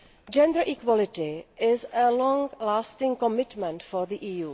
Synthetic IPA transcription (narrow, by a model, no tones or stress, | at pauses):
d͡ʒɛ̃ndə˞ʔikwɔlɪtɪɪzəlɔ̃ŋlaːstɪ̃ŋkɔmɪtmɛ̃ntfɔɹðiʔiːjuː